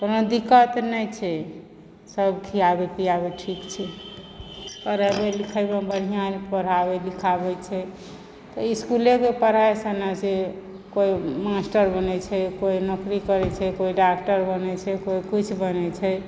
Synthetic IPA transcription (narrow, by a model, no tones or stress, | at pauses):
konod̪ikət̪nɛt͡ʃʰɛ | səbkʰiabepiaβeʈʰikt͡ʃʰɛ | pəɾəbelikʰəɪbebəɽ̤ijãnpəɾ̤abelikʰabɛt͡ʃʰɛ | t̪ɔiskulekepəɾ̤aesənase | koimasʈəɾbənɛt͡ʃʰɛkoinɔkɾikəɾɛt͡ʃʰɛkoiɖak̚ʈəɾbənɛt͡ʃʰɛkoikit͡ʃʰbənɛt͡ʃʰɛ